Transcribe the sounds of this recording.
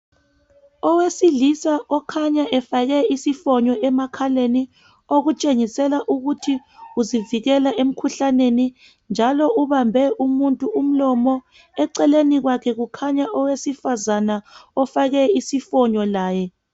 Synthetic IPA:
ɔwesilisaʔɔkʰaɲaʔɛfaɣɛisifɔɲɔʔɛmakʰaleni | oɣut͡ʃʼeŋisɛlaʔuɣutʰi | uziviɣɛlaʔem̩kʰuɬaneni | nd͡ʒʱalɔʔuβambʱɛʔumuntʼuum̩lɔmɔ | ɛǀɛleniɣwakʰɛɣukʰaɲaʔɔwesifazanaɔfaɣɛisifɔɲɔlaːjɛ

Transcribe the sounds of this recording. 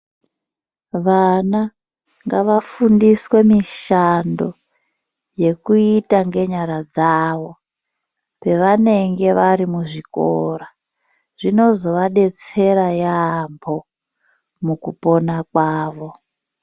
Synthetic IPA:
ʋana | ŋɡaʋafundiswe̞miʃando̞ | je̞kuitaŋɡe̞ɲaɾad͡zaːʋo̞ | pe̞ʋane̞ŋɡe̞ʋaɾimuʐiko̰ɾa | ʐino̞zo̞ʋaɗe̞t͡se̞ɾajaːmbʰo̞ | mukupo̞nakwaːʋo̞

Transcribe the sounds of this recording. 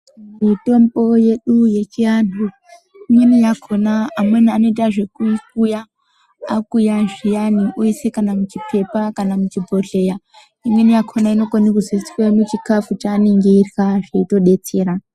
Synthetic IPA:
mito̞mbo̞je̞ɗuje̞t͡ʃianu | imwenijakʰo̞naːmweniano̞itaʐe̞kukuja | akujaʐijaniʔoisekanamut͡ʃipʰe̞pakanamut͡ʃibʱo̞ɮe̞ja | imwenijakʰonaino̞kwanikuzisi̥kwamut͡ʃikafut͡ʃaːneŋɡeirɣaʐeito̞ɗe̞t͡seːɾa

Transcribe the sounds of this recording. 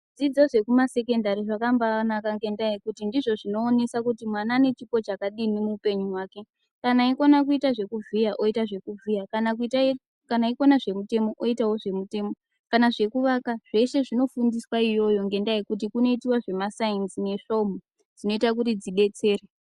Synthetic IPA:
d͡zid͡zo̞ʐe̞kumase̞ke̞ndaɾiʐakambanakaŋɡe̞ndaikutindiʐo̞ʐino̞ːne̞sakutimwanaːne̞t͡ʃipo̞t͡ʃakaɗinimuːpe̞ɲuɦwaːke̞ | kanaikonak̬uitaʐe̞kuvijaʔo̞itaʐe̞kuvʱijakanakt | kanaikonaʐe̞mute̞mo̞ʔoitawo̞ʐe̞mute̞mo̞ | kanaʐe̞kuʋakaʐ̥e̞ʃe̞ʐino̞fundiswaijo̞jo̞ŋɡe̞ndaikut̬ikuno̞itiwaʐe̞masainzine̞ʂo̞mo | d͡zino̞itak̬utid͡ziɓe̞t͡se̞ːre

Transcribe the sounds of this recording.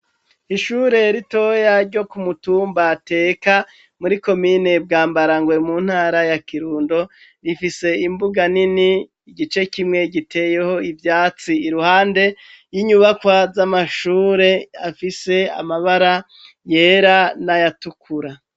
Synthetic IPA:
iʃuːɾe̞ɾito̞jaɾɟo̞kumutuːmbate̞ːka | muɾiko̞miːne̞b̚ɡaːmbaɾaŋɡwe̞muːn̥haːɾajakiɾuːndo̞ | ɾifise̞imbuɡaniniː | ɡit͡ʃe̞kimŋe̞ɟitʰe̞ːje̞ho̞ivjaːt͡siiɾuhaːnde̞ | jiɲuβakwazamaʃuːɾe̞afise̞a̰maβaɾa | jeːɾanajatukʰuɾa

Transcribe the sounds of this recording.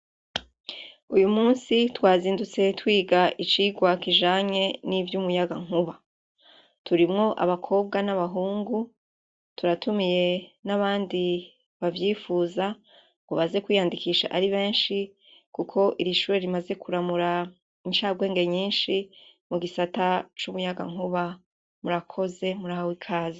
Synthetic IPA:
ujumuːnsitwaːziːndut͡se̞twiːɡaʔit͡ʃiːɡwakiʒaːɲe̞nivjumujaɡaŋ̥uβa | tuɾimŋo̞ʔa̰βakʰo̞ːb̚ɡanaβaɦuːŋɡu | tuɾatumije̞naβaːndi | βavjiːfuːza | uβaze̞kwiːjaːndikiːʃa̰ʔaɾiβe̞ːnʃi | kukʰo̞ʔiɾiʃuːɾe̞ɾimaze̞kuɾamuɾa | inʃaːɡwe̞ːŋɡe̞ɲiːnʃimuɡisatat͡ʃuβujaɡa̰ŋuβa | muɾakʰo̞ze̞muɾahawikʰaːzi

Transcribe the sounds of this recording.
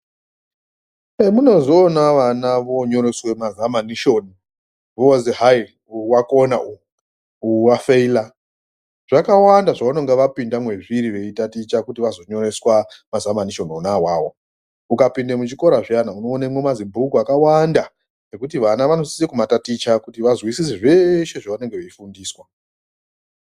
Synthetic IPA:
emuno̞zo̞ːnaʋanaʋo̞ɲo̞ɾeswe̞mazamaniʃo̞ːni | ʋoziɦai | uwako̞naʔu | uwafeila | ʐ̥akawandaʐauno̞ŋɡeʋapindamwe̞ʐiɾiʋe̞itatit͡ʃakutiʋazo̞ɲo̞ɾe̞swamazamaniʃo̞nonawaːwo̞ | ukapindemut͡ʃiko̞ɾaʐjanauno̞ːnemwemazimbʱukuakawanda | nekutiʋanaʋano̞si̥sekumatatit͡ʃakutiʋazwisis̬iʐe̞ʃe̞ʐaʋane̞ŋɡeʋeifundiːswa

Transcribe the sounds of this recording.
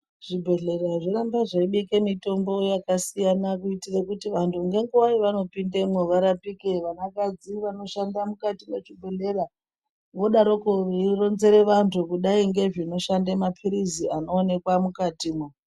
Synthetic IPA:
ʐ̥ibʱe̞ɮe̞raʐiɾambaʐaiɓikemito̞mbo̞jakasijanakuitirekutiʋantʰuŋɡe̞ŋɡuwaiʋano̞pindemweʋaɾapikeʋanakad͡ziʋano̞ʃandamukatimet͡ʃibʱe̞ɮera | ʋo̞ɗaɾo̞koʋeiro̞nze̞ɾe̞ʋantʰukuɗaiŋɡe̞ʐino̞ʃandemapʰiɾiziano̞ːne̞kwamukatiːmwe

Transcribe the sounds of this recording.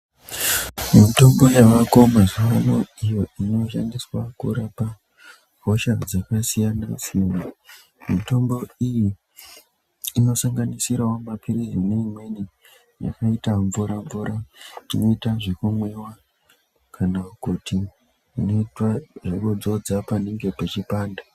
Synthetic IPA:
mito̞mbo̞jaʋako̞maʐiʋanoijo̞ino̞ʃandiswakuɾapa | ko̞ʃad͡zakasijanasijana | mito̞mbo̞iji | no̞saŋɡanisiɾawomapʰirizineimwe̞ni | ja̰kaitaɱvuɾaɱvuɾaino̞itaʐekumwe̞wa | kʰanakuti | ino̞itwaʐekud͡zo̞d͡zapane̞ŋɡe̞pat͡ʃipaːnda

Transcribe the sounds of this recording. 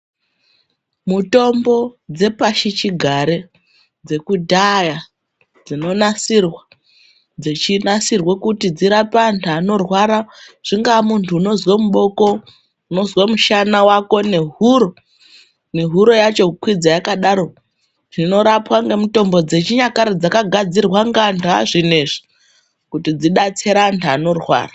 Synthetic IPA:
muto̞mbo̞d͡ze̞paʃit͡ʃiɡʱaɾe | d͡ze̞kudʱaja | d͡zino̞nasirwa | d͡ze̞t͡ʃinasirwekutid͡ziɾapantʰano̞rwaɾaʐ̥iŋɡamuntʰuːno̞zwamuɓo̞ko̞ | uno̞zwamuʃanawako̞ne̞ɦuɾo̞ | ne̞ɦuɾo̞jat͡ʃo̞kwid͡zajakaɗaɾo̞ | ʐino̞ɾapwaŋɡemuto̞mbo̞d͡ze̞t͡ʃiɲakaɾid͡zakaɡʱad͡zirwaŋɡantʰaʐine̞ʐi̥ | kutid͡ziɗat͡seɾaːntʰano̞rwa̰ːra

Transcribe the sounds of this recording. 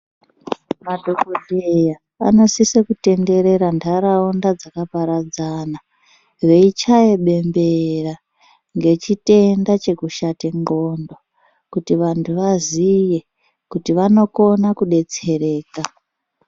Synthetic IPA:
madʱo̞kodʱeja | a̰no̞sisekute̞nde̞ɾe̞ɾandaɾaundad͡zakapaɾad͡zana | ʋe̞it͡ʃajeɓe̞mbera | ŋɡe̞t͡ʃite̞ndat͡ʃe̞kuʃatiŋɡo̞ndo̞ | kutiʋantʰuʋazije̞ | kutiʋano̞ko̞nakuɗe̞t͡se̞ɾe̞ːka

